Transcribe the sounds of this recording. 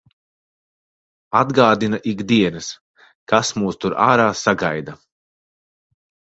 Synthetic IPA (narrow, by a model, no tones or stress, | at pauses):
ad̪ɡaːd̪inaʔiɡd̪iɛnɐs | kasmuːst̪uɾa̰ːɾaːsaɡajd̪a